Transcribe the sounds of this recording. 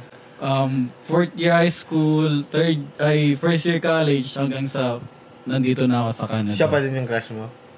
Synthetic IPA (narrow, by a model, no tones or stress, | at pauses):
ʔɐmfɔɹt̪̚jiɹhajskult̪ɛɹd̪̚ʔɐjfɛɹst̪jiɹkalɛd͡ʒhɐŋɡaŋsɐ | nɐnd̪iːt̪onakosɐkɐɲɐʃappɛd̪ɪnjʊŋkɾaʃmo